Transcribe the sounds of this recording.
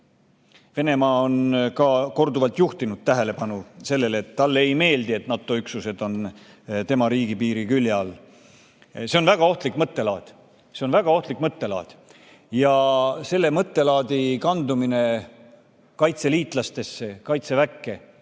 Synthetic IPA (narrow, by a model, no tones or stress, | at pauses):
ve̞ne̞mɑːonkɑko̞rd̪uvɑlt̪juht̪inud̪̥t̪æɦe̞le̞pɑnuse̞lːe̞let̪ːɑlːe̞jme̞ːld̪ie̞t̪nɑt̪ːˑo̞yksuse̞d̪̥o̞n | t̪e̞mɑɾiːɡ̥ipiːɾikyljɑl | seo̞nvæɡ̥ɑo̞ht̪likːmɤt̪ːe̞lɑːd̪̥ | seo̞nvæɡ̥ɑo̞ht̪likːmɤt̪ːe̞lɑ̰ːd̪̥ | jɑse̞lːe̞mɤt̪ːe̞lɑːd̪̥ikɑnd̪umine̞ | kɑjt̪se̞liːt̪ˑlɑst̪e̞sːe̞kɑjt̪se̞vækːe̞